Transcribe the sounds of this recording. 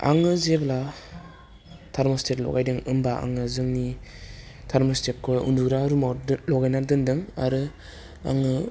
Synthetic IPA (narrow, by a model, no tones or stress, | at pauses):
a̰ŋɯzebla | tʰaɾmɔsteklɔ̰ɡajdɯŋɯmbaa̰ŋɯzɯŋni | tʰaɾmostek̚kːʰɔjṵnduɡɾaɾumalɔɡajnadɯndɯŋa̰ɾɯ | a̰ŋɯ